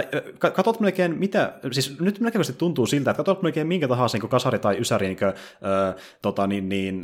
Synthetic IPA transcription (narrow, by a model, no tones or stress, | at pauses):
kɑkɑt̪olt̪mneoˑikeːnmit̪æsiːsnyt̪minækækøst̪it̪t̪ːunt̪uːsilt̪æt̪kɑt̪olt̪mnoikeːmmiŋkæt̪ɑɦɑːsniːŋkokɑsɑrit̪ɑiysæriniːŋkø | ʔəː | t̪ot̪ɑninniːn